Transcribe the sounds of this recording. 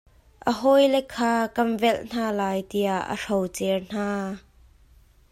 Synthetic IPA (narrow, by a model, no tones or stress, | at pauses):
ʔəɦɔjlɛkʰːaːkɐnvɛlʔn̥aːlaːjt̪iaʔə̰rɔwt͡sɛrn̥aː